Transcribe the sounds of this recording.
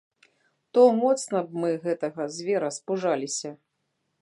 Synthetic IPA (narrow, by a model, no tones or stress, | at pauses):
t̪ɔmɔt̪snɐb̚mɨɣɛt̪ɐɣɐzʲvʲɛɾɐspuʐalʲisʲɐ